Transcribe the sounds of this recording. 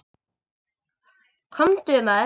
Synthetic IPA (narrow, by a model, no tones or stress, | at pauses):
kʰɔmt̪ema